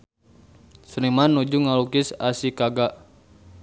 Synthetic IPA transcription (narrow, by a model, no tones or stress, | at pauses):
səɾimanːud͡ʒuŋalukɪsasikaɡaʔ